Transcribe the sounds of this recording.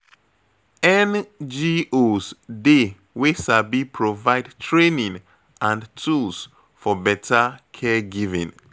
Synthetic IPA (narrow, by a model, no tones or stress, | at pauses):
ɛ̃nd͡ʒiosde | wesabipʰɹovaɪdtɹenĩn | ãntʰuls | fɔbɛtʰakʰɛɡivḭ̃n